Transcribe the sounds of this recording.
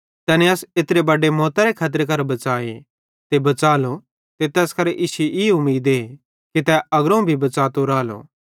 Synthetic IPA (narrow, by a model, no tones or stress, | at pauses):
t̪ɛːneɐsɪt̪ɾebɐɖemɔːt̪aɾekʰaːt̪̬əɾk̬ɐɾbɐt͡ʃaːḛ | t̪ebɐt͡ʃaːlo | t̪et̪ɛːskɐɾʔiːseʔiːʊmiːd̪e | kit̪ɛɐɡɾaũbʱibɐt͡ʃaːt̪oɾaːlo̰ː